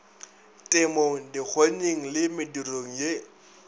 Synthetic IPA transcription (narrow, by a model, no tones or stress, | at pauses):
tʼɪmoŋ̩dik͡xʰoɲeŋ̩lɪmɪduroŋ̩je